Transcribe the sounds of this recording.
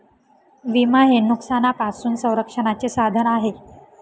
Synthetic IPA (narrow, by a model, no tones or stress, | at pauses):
ʋimaɦenuksanapasuːnsə̃w̃ɾəkʂəɳat͡sesad̪ʱənaɦe